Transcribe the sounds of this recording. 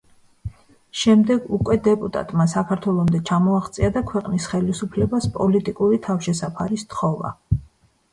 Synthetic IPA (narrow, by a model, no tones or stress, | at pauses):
ʃɛmd̪ɛɡukʼwɛd̪ɛpʼut̪ʼa̰t̪ʼmasakʰaɾt̪ʰwɛlˠɔmd̪ɛt͡ʃʰamɔaʁt̪sʼiad̪akʰwɛqʼnisχɛlisupʰlɛbaspʼɔlit̪ʼikʼuɾit̪ʰafʃɛsapʰaɾist̪χɔva̰